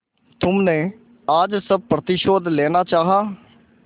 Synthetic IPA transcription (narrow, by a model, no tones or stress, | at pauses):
t̪ʊmnẽː | aːd͡ʒsəb̚pɾət̪ɪʃoːd̪lɛːnaːt͡ʃaːɦaː